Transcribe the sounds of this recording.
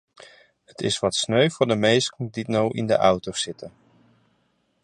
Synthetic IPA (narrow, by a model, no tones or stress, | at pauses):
ətɪsʋɑtsnøɥvʊːɹdəmejsknditnowʔɪ̰ndə̰ʔʌwtowsɪtən